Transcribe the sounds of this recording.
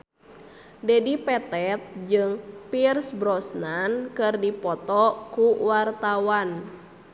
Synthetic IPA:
dɛdipɛt̪ɛt̪̚d͡ʒɨŋpirsbɾɔsnankɨrdipɔt̪ɔkuwart̪awan

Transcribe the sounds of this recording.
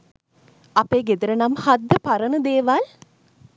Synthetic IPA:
apeːɡed̪əɾənamhad̪ːəpaɾənəd̪eːʋal

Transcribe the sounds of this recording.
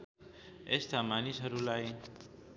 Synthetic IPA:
est̪ʰamanisɦʌɾulaj

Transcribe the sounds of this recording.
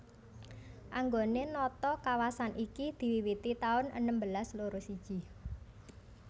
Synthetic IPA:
ʔaŋɡonenɔt̪ɔkawasanʔikid̪̥i̤wiwit̪it̪aʊnʔə̰nəmbəlasloɾosid̥ʒ̥i̤

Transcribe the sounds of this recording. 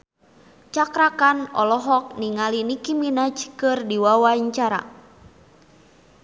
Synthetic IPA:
t͡ʃakɾakanɔlɔɦɔk̚niŋalinikiminad͡ʒkɨrdiwawaɲt͡ʃaɾa̰

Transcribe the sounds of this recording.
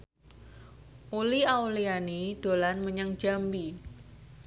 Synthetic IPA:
ʔuliawlianid̥olanməɲəŋ̥d͡ʒ̥a̤mbi

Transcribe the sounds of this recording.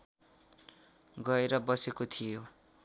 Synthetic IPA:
ɡʌeɾʌbʌsekot̪ʰijo

